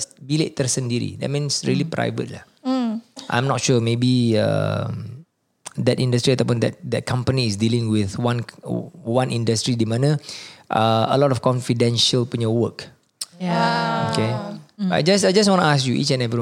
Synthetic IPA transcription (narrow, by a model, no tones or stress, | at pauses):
sbileʔt̪ərsəndiɾḭdɛ̰t̚mĩnsɹiəlipɾa̰jvə̰t̚lah | ʔã̰jmnɔt̚ʃumebia̰m | dɛtĩndəstɾiat̪awp̬ũndɛt̚dɛt̚kʰãmpəniːsdilĩŋwiθwãn | wãnʔĩndəstɾidimãnəʔaə̰lɔtɔfkɔ̃nfidɛ̃nʃəlpuɲəwək | okeaa̰d͡ʒasajd͡ʒas̬wɔ̃ntuaskjuʔḭt͡ʃɛ̃nɛvɾi